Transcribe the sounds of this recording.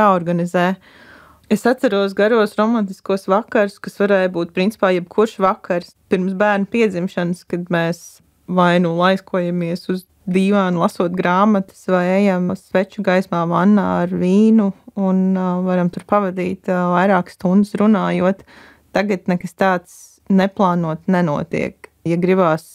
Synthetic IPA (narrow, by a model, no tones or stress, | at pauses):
jaːɔɾɡanizɛː | esat̪sɐɾuɔsɡaɾuɔsɾɔmant̪i̥skuɔsʋakaɾʊskasʋaɾɛːjbuːt̪̚pɾint̪si̥paːjɛb̚kʰuɾʃʋakaɾspiɾmsbæːɾnʊpiɛd̪zimʃanskad̪mɛːs | vajnulˠajskuɔjamiɛsuz | d̪iːʋaːnlˠasuɔt̪ɡɾaːmat̪ɪ̥svajɛjamsʋɛt͡ʃuɡajsmaːvanːa̰ːaɾviːnuunvaɾamt̪uɾpavad̪iːt̪vajɾaːkst̪und̪ɪsɾunaːjuɔt̪ː | aɡat̪nɛkast̪aːt̪s | nɛplˠɑːnuɔt̪nɛnuɔt̪ḭɛkjaɡɾibaːs